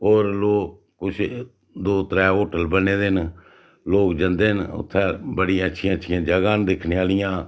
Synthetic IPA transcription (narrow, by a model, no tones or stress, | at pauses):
ɦoːɾloː | kʊt͡ʃʰ | d̪oːt̪əɾɛːɦoːʈəlbəneːd̪en | loːkd͡ʒənd̪eːənʊ̰t̪ʰːɛ̃ːbəɽĩːətːʃʰɪjãːətːʃʰɪjãːd͡ʒəɡaːnd̪ɪkʰneːaːlɪjãː